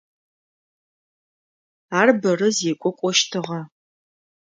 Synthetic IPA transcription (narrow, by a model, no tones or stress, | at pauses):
aːrbɐrɨzekʷʼʊkʷʼɔʃtʰɨʁɐ